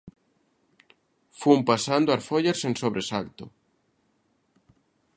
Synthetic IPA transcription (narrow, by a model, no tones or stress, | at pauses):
fuumpasand̪oʊaɾfoʎaɾsensoβɾesakt̪o̰